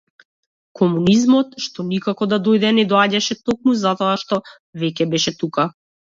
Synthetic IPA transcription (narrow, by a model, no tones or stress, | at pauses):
kʰɔmunizmɔt̪ʃt̪ɔnikakɔd̪ad̪ɔjd̪ɛnɛd̪ɔaɟaʃɛt̪ɔk̚muzat̪ɔaʃt̪ɔ | vɛcʲɛbɛʃɛt̪uka